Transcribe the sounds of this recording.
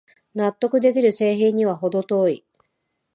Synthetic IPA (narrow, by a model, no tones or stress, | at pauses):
nat̪ːo̞kɯ̟d̪e̞kʲiɾɯ̟se̞ːɦẽɲ̟iβ̞aɦo̞d̪o̞t̪o̞ːi